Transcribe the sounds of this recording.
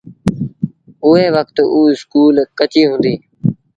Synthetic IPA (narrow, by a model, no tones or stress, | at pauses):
ʊɦeːʋəkt̪uːɪskuːlkət͡ʃiːɦʊ̃nd̪iː